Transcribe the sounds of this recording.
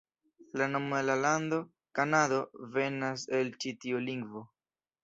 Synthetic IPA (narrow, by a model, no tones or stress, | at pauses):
lano̞moelalando̞ | kanado̞ve̞nase̞lt͡ʃitioliŋɡvo̞